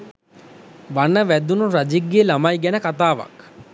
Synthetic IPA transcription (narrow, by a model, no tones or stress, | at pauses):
ʋanəʋæd̪unuɾad͡ʒiɡːeːlamajɡænəkat̪aːʋa̰k